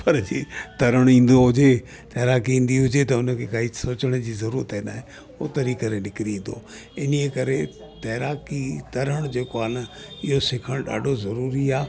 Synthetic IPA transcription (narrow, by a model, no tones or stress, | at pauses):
pɐɾd͡ʑiːt̪ɐɾəɽ̃ĩːn̆d̪oɦʊd͡ʑe | t̪ɐːɾaːkiĩːn̆d̪iɦʊd͡ʑet̪ɐʊnəkʰekaisoːt͡ɕəɽ̃d͡ʑiːzɐɾuːɾət̪ɦẽːnd̪aːɦẽ | ot̪əɾikɐɾenɪkɪɾĩːn̆d̪o̰ | ɪniekɐɾe | t̪ɐːɾaːkit̪ɐɾəɽ̃d͡ʑeːkoaːnɐɪɦosɪkʰəɽ̃ɗa̰ːɖʱozɐɾuːɾiaː